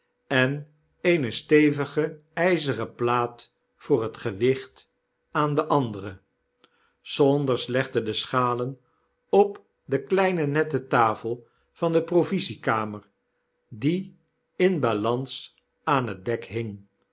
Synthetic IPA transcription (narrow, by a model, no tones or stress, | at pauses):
ɛn | eɪnəstejvəχə | ɛjzərəplaːt | fʊːrətχəʋɪχt | aːndəʔɑndərə | sɔndəɹslɛχdədəsχaːlən | ɔp | dəklɛjnənɛtətaːfəlˠ | vɑndəprovizikaːməɹ | di | ɪnbalɑns | aːnɦət̚dɛkɦɪŋ